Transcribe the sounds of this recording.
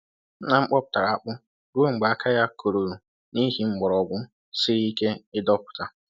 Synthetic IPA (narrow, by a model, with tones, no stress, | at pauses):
na˦ŋ͡m̩˦k͡pɔ˦pʊ̥˨ta˨ɾa˨a˨k͡pʊ˦ | ɾo˦ŋ͡m̩˨ɡ͡ba˨a˦kʰa˦ja˦kʰo˨ɾo˨ɾo˨ | ni˦ɦi˦ŋ͡m̩˦ɡ͡bɔ˨ɾɔ˨ɡʊ˦ | si˦ɾi˦ke˦ɪ˦dɔ˦pʊ̥˨ta˨